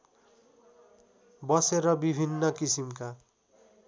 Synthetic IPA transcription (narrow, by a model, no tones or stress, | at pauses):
bʌseɾʌbibʱinːʌkisimka